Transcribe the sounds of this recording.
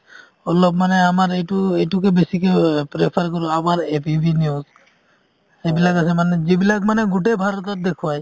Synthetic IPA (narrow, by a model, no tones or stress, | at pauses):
ɔlɔpmaneamaɾejʈuejʈukebesikepɾepʰaɾkɔɾuamaɾepibʱiniuz | ebilakasʰemaned͡ʒebilakmaneɡuʈebʱaɾɔt̪ɔɾd̪ekʰbaj